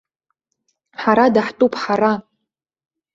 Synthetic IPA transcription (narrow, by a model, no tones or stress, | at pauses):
ħaɾadaħtʼupʰʼħaɾa